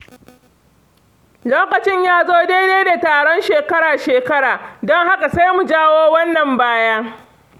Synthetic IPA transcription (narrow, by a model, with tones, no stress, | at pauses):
loː˦kɐ˨t͡ʃɪ˦ɲjaː˦zoː˦deː˦deː˦da˨taː˨ɽɔ˦nʃeː˨kɐ˦ɽaː˨ʃeː˨kɐ˦ɽaː˨dɔ˦ŋha˦ka˨sa˦jmu˨d͡ʒaː˦woː˦wɐ˦nːɐ˨mbaː˦jaː˦